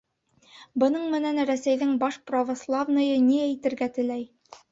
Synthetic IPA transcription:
bɤ̆nɤɴmɘ̆nænɾæsæjðɘɴbɑʃprɐvŏslˠavnɤ̆jɤniæjt̪ɘ̆ɾɡæt̪ɘ̆læj

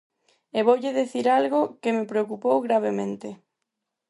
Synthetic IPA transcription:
eβowʎɪðeθiɾalɣʊkɪmepɾeokupowɣɾaβ̞emẽnt̪ɪ

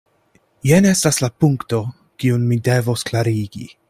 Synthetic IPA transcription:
jene̞staslapuŋkto̞ | kiunmide̞vo̞sklaɾiɡḭ

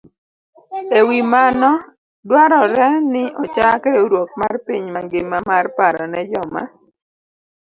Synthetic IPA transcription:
ewimanɔ | dwaɾɔɾɛnɪɔt͡ʃakedoɾwok̚marpiɲmaŋɡɪmːamarpaɾɔnɛd͡ʒɔma̰

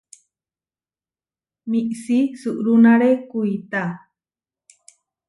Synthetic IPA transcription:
miʔsisɨʔɾunaɾekuit̪a

